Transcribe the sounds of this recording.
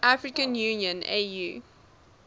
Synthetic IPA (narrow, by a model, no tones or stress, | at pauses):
ʔafɹikə̃njũːniə̃nḛjuː